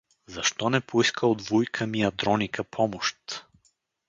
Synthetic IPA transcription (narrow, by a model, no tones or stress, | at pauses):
zɐʃt̪ɔnɛpoiskəod̪vujkʰəmiɐd̪ɾɔnikəpʰɔmoʃt̪